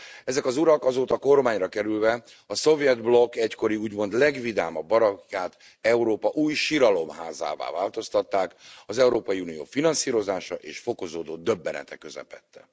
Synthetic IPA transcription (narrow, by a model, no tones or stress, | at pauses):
ɛzɛkɒzuɾɒkɒzoːt̪ɒko̞rmaːɲrɒkɛɾylvɛ | ɒso̞vijɛd̪blo̞kːɛcko̞ɾiuːɟmo̞nd̪lɛɡvid̪aːmɒbːɒɾɒkjaːt̪ | ɛuɾoːpɒʔuːjʃiɾɒlo̞mɦaːza̰ːva̰ːvaːlt̪o̞st̪ɒt̪ːaːkɒzɛuɾoːpɒjiuːnijo̰ːfinɒnsiːɾo̞zaːʃɒʔeːʃfo̞ko̞zoːd̪oːd̪ø̞bːɛnɛ̰t̪ɛkøzɛ̰pɛt̪ːɛ̥̰